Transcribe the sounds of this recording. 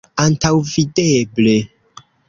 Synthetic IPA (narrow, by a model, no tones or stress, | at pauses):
antawvideble